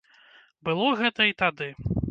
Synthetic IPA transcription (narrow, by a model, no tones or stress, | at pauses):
bɨlˠɔɣɛt̪ɐit̪ad̪ɨ